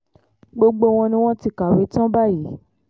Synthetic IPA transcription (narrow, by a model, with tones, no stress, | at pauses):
ɡ͡bo˧ɡ͡bo˧w̃ɔ̃˧nĩ˧˦w̃ɔ̃˦ti˧˨ka˨we˨˦tɔ̃˦ba˦ji˨˦